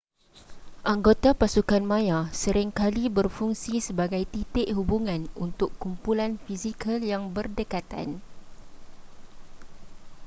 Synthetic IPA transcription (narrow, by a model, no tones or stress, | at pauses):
ʔaŋɡot̪apasukanmãjasəɾɪŋkalibərfuŋsisəbaɡajt̪it̪ɪʔhubuŋãnṵnt̪ʊkːumpulanfizikʰaljaŋbərdəkat̪a̰n